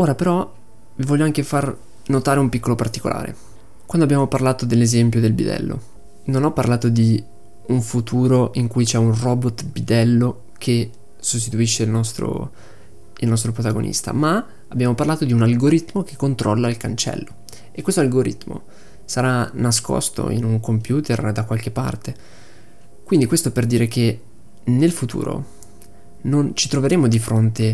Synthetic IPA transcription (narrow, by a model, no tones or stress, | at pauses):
oːɾapeɾɔ | vivɔʎːoaŋkefar | not̪aːɾeumpikːolopart̪i̥ko̰lʔa̰ːɾḛ | kwand̪abːjaːmoparlaːt̪od̪elːezɛmpjod̪elbḭd̪ɛ̰lːo̰ | nonɔpːa̰rlaːt̪od̪i | uɱfut̪ʰuːɾoʔiŋkujt͡ʃɛunrɔːbot̪bid̪ɛlːo | kʰe | sos̬t̪it̪uiʃːeilnɔst̪ɾo̰ | ilnɔs̬t̪ɾopɾot̪aɡonḭst̪a̰ma | abːjaːmoparlaːt̪od̪iunalɡoɾit̪mok̟ekːont̪ɾɔ̰lːailkant͡ʃɛ̰lːo | ekːwest̪oalɡoɾḭt̪mo̰ | saɾanas̬kɔ̰st̪o̰ḭnuŋkompjuːt̪erd̪akwalk̟epːa̰rt̪e | kwind̪ikwest̪operd̪iːɾekʰe | nelfut̪ṵːɾo̰ | nont͡ʃit̪ɾoveɾeːmod̪ifɾont̪e